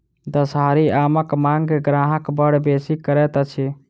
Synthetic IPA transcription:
d̪əsɦaɾiaməkmaŋɡeɡɾaɦəkbəɽ̤besikəɾɛt̪ət͡ʃʰi

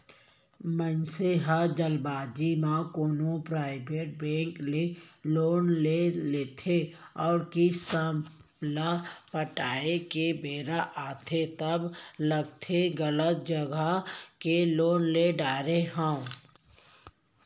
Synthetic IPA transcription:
mənseɦad͡ʒəlbaːd͡ʒimãkoːnopɾaːɪbʱeːʈ̚bɛ̃ːŋkleloːnleleːt̪ʰeɔːɾkist̪a | lapəʈaːekebʱeːɾaʔaːt̪ʰet̪əbləɡ̚t̪ʰeɡələt̪̚d͡ʒəɡəkeloːnleɖaːɾeɦã

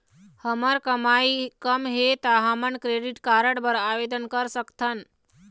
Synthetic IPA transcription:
həməɾkəmaikəmɦet̪aɦəmənkɾeɖiʈkaɾəɽbəɾaʋed̪ənkəɾsəkt̪ʰən

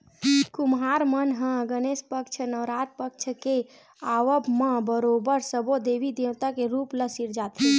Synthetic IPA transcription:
kumɦaɾmənɦə̃ɡənespək̚t͡ʃʰənəʋɾat̪̚pək̚t͡ʃʰəke | aʋəbmə̃bəɾobəɾsəbod̪ebid̪ewt̪akeɾupləsiɾd͡ʒat̪ɦi

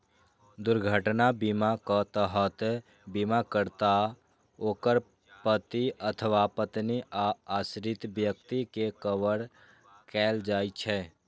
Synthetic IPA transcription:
d̪ʊɾɡʱəʈnabimakət̪əɦət̪ | bimakəɾt̪a | oːkəɾ | pət̪iət̪ʰəʋapət̪niʔaasɾɪt̪bjək̚t̪ikekəʋəɽ | kɛːld͡ʒaːit͡ʃʰɛ

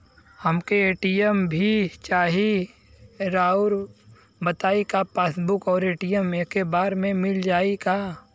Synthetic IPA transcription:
hɐmkeeːʈiəmbʱit͡ʃaːɦi | ɾaːʊɾ | bət̪aːikapaːsbʊkɔːɾeːʈijəmekebaːɾmẽmɪld͡ʒaːikaː

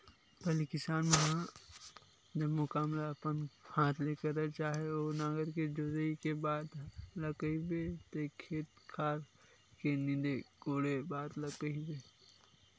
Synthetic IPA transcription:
pəlikɪsaːnmeɦã | d͡ʒɐbmʊkaːmlapənhaːt̪ʰleːkəɾnat͡ʃaːɦeoːnaːɡəɾked͡ʒozəikebaːd̪lɐkəibet̪ekʰːeːt̪̚kʰaːɾ | kenɪ̃d̪ekoːɽebaːd̪lɐkəibeː

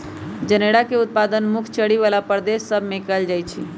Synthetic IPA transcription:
d͡ʒəneɽakeʊt̪̚pad̪ənmʊkʰt͡ʃəɽiʋalapəɾd̪esːəbʱmẽkəld͡ʒajt͡ʃʰḭ

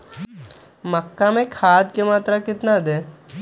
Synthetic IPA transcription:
məkːamẽkʰaːd̪̚kemaːt̪ɾakɪt̪nad̪eː

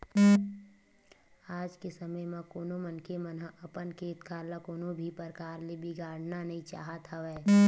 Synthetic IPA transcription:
aːd͡ʒkesəməjmẽkoːnomənkemənəʔɐpənkʰeːt̪kaːɾlakoːnõbʱipəɾkaːɾlebʱiɡaːɽ̤nanɐɦĩt͡ʃa̰ːɦat̪ʰaʋɛː

